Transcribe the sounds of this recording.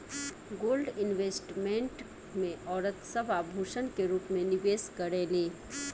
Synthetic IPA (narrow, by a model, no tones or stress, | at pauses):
ɡoːlɖɪnʋeːsʈmẽːɳʈ | mẽʔɔːɾət̪səbʱabʱuːʃənkeɾuːpmẽnɪʋeːskəɾeːleː